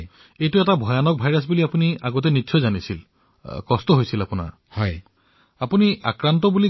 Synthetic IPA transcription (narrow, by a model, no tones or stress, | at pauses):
ejtuɛtabʱɔjanɔk̚bʱajɹasbuliapuniaɡɔt̬ɛnitːsʰɔjzanisil | kɔstɔɦojsilapuna̰ɹ | hɔj | apuniʔakɹantɔbuli